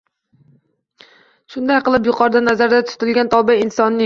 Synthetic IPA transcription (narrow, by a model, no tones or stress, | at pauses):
ʃʊnd̪ajqɨlˠɪpjʊqʰɒɾd̪anazaɾd̪at̪ʰʊ̥t̪ɪlɡʲant̪ʰɒlˠbaɪnsɒnːɪ